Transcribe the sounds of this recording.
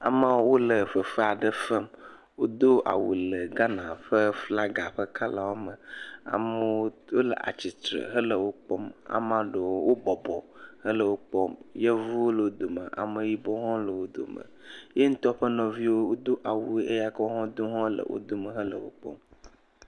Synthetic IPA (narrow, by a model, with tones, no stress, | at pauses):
a̰˨mã˦wwo˦lə˨ɸə˨fə˦a˨ɖə˦fə˦m | wo˦d̪o˦ʔa̰˨wṵ˨lə˨ɡa˦nã˨ɸə˦fla˦ɡa˨ɸə˦ka˦la˨wo˦mə˨a̰˨mə˦wo˦lə̰˨ʔa̰˨t͡ɕi˨t̪ɾə̰˨ɦə˦lə˨wo˦k͡pɔ˦ma̰˨mã˦ɖə˨wo˦wo˦bɔ˨bɔ˨hə˦lə˨wo˦k͡pɔ˦mje˦vu˦wo˦lə˨wo˦d̪o˨mə̰˨ʔa̰˨mə˨ji˦bɔ˦ɦɔ̃˦lə˨wo˦d̪o̰˨mə̰̃˨je˦ŋ̩˦t̪ɔ˦ɸə˦nɔ̃˨vi˦wo˦wo˦d̪o˦ʔa˨wu˨˦e˦ja˦kɔ˦ɦɔ̃˦d̪o˦ɦɔ̃˦lə̰˨wʔo̰˦d̪o˦mə˨ɦə˦lə̰˨wo̰˦k͡pɔ̰˦m